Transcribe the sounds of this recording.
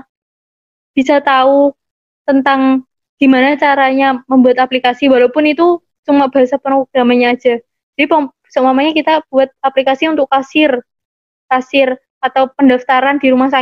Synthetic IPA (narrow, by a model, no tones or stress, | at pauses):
b̥isat̪au | t̪ənt̪aŋ | d̥imanat͡ʃaɾaɲaməmbuat̪aplikasiwalawpʊnit̪u | sumab̥aasapəɾoɡ̥amaɲaːd͡ʒa | d͡ʒadipa | səmamaɲakit̪ab̥uat̪̚aplikasiunt̪ʊkːasɪr | kasɪr | at̪awpəndaft̪aɾandiɾumasa